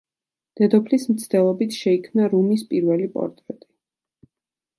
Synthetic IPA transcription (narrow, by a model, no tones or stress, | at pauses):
d̪̥ɛd̪ɔpʰlismt̪sʰd̪ɛlˠɔbit̪ʰʃɛikʰmnaɾumispʼiɾvɛlipʼɔ̰ɾt̪ʼɾɛt̪ʼi̥